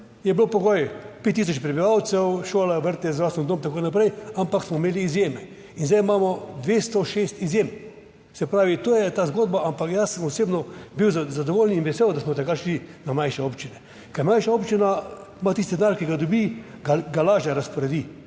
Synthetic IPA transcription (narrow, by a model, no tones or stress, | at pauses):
jɛblopɔɡɔjpet̪ːis̬ɔt͡ʃpɾɛbiʋaw̪sɛwʃoːlaʋəɾt̪ɛzɾasnɔnd̪oːmt̪akoːnapɾɛjampaksmɔmeːliːzjemɛ | inzɛjmaːmɔd̪ʋeːst̪ɔʃest̪izjem | sɛpɾaːʋit̪oːjɛt̪aːzɡoːd̪baampakjasəmɔseːbnɔbiwzzad̪ɔʋoːlninʋɛsewd̪asmɔt̪ɛkaʃlinamajʃɛopt͡ʃinɛ | kɐjɛmajʃaopt͡ʃina | mat̪ist̪id̪ɛnaːɾkiɡad̪ɔbiɡaɡalaːʒɛɾaspɔɾɛd̪i